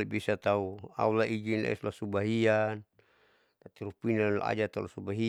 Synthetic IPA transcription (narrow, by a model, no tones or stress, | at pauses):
ibisat̪aua̰ulaʔid͡ʒinla̰ḭsulasubaɦian | t̪at̪iɾupinal̰a̰d͡ʒat̪aṵlasubaɦi